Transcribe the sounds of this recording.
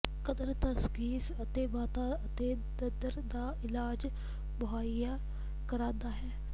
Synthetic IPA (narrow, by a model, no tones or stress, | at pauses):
kəd̪əɾt̪askiːsət̪eːmaːt̪aːət̪eː | d̪əd̪əɾd̪aːɪlaːd͡ʒ | bəɦaːijaː | kəɾãːnd̪aːɦɛː